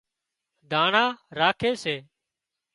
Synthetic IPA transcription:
d̪ʱaːɳaːɾaːkʰeːseː

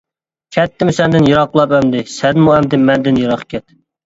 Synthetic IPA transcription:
kʲʰɛt̪ːɪmsɛnd̪ɪnjɨɾɑqlˠɑpɛmd̪ɪsɛnmuɛmd̪ɪmɛnd̪ɪnjɑɾɑqkʲɛt̪̚

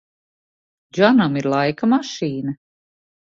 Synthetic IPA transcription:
d͡ʒanamiɾlˠajkamaʃiːnɐ

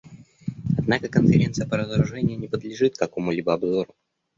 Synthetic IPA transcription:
ɐd̪nakəkənfʲɪɾʲe̞nsɨjəpəɾəzəɾʊʐɛnʲɪjʊnʲɪpəd̪lʲɪʐɨt̪kɐko̞mʊlʲibəɐbzo̞ɾʊ

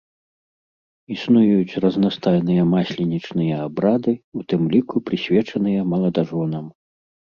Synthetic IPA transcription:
isnujjut͡sʲrɐznast̪ajnɨjɐmasʲlʲinʲit͡ʂnɨjɐabɾad̪ɨut̪ɨmlʲikupɾɨsʲvʲɛt͡ʂɐnɨjɐmɐlˠɐd̪aʐɔnɐm

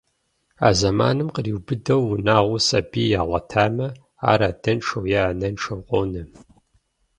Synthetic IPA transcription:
a̰ːzɐma̰ːnɨmqəriwbɨdɐwnaːʁʷʊsɐbiːjaːʁʷɐtʰaːmɐ | a̰ːɾaːd̥ɐnʈ͡ʂʰɐwjaaːnɐnʈ͡ʂʰɐwqʷʼo̰wnɨ

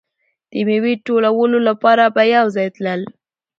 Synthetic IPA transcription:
d̪̥əmewiʈolawəlolapɑɾabajawzɑjt̪ləl

